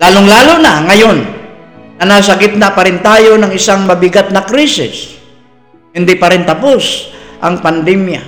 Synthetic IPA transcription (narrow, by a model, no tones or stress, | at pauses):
laːlʊŋlaːlʊnaŋɐjonː | ɐnas̬ɐɡɪt̪̚napaɾɪnt̪aːjonɐŋɪsaŋmɐbɪɡat̪̚nɐkɾisɪ̰s | hɪnd̪ɪpɐɾɪnt̪ɐposʔɐŋpand̪ɛmja